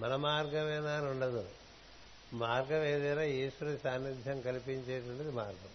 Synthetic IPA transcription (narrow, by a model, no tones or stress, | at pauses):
mɐnɐmaːɾɡɐmɛːnaːnuɳɖɐd̪u | maːɾɡɐʋeːd̪ɛːnaːiːʂʋɐɾɐsaːnːid̪ʱjɐmkɐlipiɲt͡ʃeːʈuɳɖɐd̪imaːɾɡɐm